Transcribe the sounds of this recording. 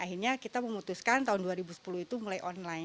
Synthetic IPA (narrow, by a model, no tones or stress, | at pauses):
aɦirɲakit̪aməmut̪uskant̪aɦʊnduaɾibusə̥puluit̪umulajʔɔnla